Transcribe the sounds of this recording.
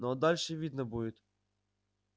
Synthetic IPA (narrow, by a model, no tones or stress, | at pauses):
nɔd̪alʲʃɛʋʲid̪nɐbujʲɪt̪ʲ